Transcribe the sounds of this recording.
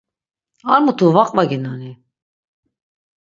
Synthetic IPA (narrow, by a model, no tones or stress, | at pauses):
aɾmut̪ʰuvaqʼvaɡinani